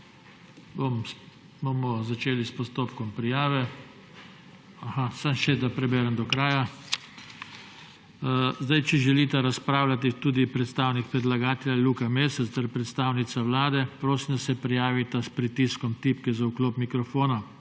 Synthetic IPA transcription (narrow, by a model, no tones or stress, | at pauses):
bom | bomɔzat͡ʃeːlispɔst̪oːpkɔmpɾijaːʋɛ | ahasamʃɛd̪apɾɛbɛɾɛmd̪ɔkɾaːja | zd̪ajt͡ʃɛʒɛliːt̪aɾaspɾaːwlat̪it̪uːd̪ipɾɛt̪st̪aːwnik̚pɾɛd̪laɡaːt̪ɛljalukameːsɛst̪ɛɾpɾɛt̪st̪aːwnit̪saʋlaːd̪ɛpɾoːsimd̪asɛpɾijaːʋit̪aspɾit̪iskɔmt̪ipkɛzaukloːpmikɾɔfoːna